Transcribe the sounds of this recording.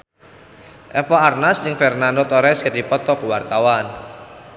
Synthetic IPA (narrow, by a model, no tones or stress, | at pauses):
ʔɛpɔarnasd͡ʒɨŋfɛrnand̪ɔt̪ɔɾɛskət̪ipɔt̪ɔkuwart̪awan